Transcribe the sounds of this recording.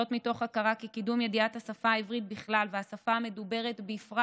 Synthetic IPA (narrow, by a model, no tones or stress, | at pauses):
otmito̞χakaʁakikidumje̞diathasafaivʁit̚biχlalveasafaːme̞dube̞ʁe̞tbeːfʁa